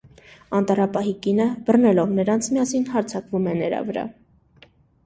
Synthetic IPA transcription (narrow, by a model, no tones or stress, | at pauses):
ɑnt̪ɑɾɑpɑɦikinəb̥ərnɛlɔvnəɾɑnt͡sʰmjɑsinɦɑɾt͡sʰɑkvumɛnəɾɑ̰vəɾɑ̰